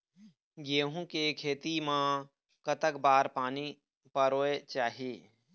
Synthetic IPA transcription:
ɡeːɦũkekʰeːt̪imã | kət̪əkbaːɾpaːni | pəɾoːet͡ʃaːɦieː

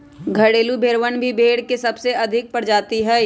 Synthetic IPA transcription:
ɡʱɐɽeːlubʱeɾʋənbʱibʱeːɽkesɐbseʔɐd̪ʱɪk̚pɐɽd͡ʒaːt̪iɦɛː

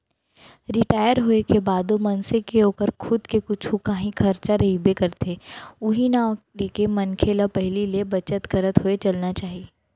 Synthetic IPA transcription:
ɾɪʈaːjəɾɦoːekebaːd̪omɐnsekeoːkəɾkʰʊd̪kekʊt͡ʃʰukaːɦĩkʰɐɾt͡ʃaɾɐɦibekɐɾt̪eʊɦinaleːkemɐnkʰelapɛɦlilebɐt͡ʃət̪ɡɐɾət̪ɦoet͡ʃɐlnat͡ʃaːɦieː

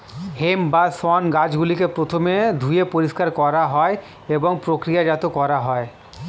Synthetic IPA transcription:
hembasɔnɡad͡ʑɡulikepɾot̪ʰomed̪ʱujepoɾiʃkaɾkɔɾaɦɔe | eboŋpɾokɾijad͡ʑat̪okɔɾaɦɔe

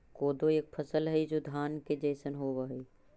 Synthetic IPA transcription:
koːd̪oeːk̚pʰəsəlɦɛid͡ʒoːd̪ʱaːnked͡ʒəːsənɦoːʋəɦi

